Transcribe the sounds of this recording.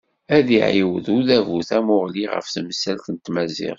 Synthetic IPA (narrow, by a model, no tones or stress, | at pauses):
æðiʕiwəðuðævuθæmʊʁliʁə̰fθməsælθənt̪mæzḭʁ